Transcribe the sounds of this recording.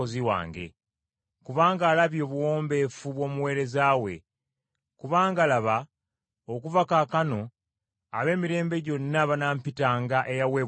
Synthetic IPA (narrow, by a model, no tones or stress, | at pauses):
oziwa̰ːŋɡe̞̰ | kuβaːŋɡaːlaβjo̞βuwo̞ːmbe̞fuβwo̞ːmuwe̞ːɾe̞zaːwe̞̰ | kuβaːŋɡalaβa | okuvakakano̞ | aβe̞ːmiɾe̞ːmbe̞ɟo̞nːaβanaːmpitaːŋɡaʔe̞jaweː